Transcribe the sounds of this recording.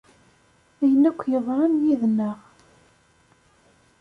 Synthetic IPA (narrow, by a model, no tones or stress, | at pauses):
æjənːækʷːjəðˤɾˤɑmjiðnːəʁ